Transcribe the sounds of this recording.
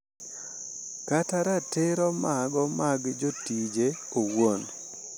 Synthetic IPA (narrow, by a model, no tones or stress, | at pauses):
kataɾateɾɔmaɡɔmaɡd͡ʒotid͡ʒe | owon